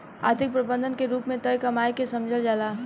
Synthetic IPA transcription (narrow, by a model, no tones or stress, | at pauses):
a̰ːɾt̪ʰɪk̚pɾəbə̃nd̪ʱənkeɾuːpmẽt̪əjkɐmaːjkesɐmd͡ʒʱəld͡ʒaːlaː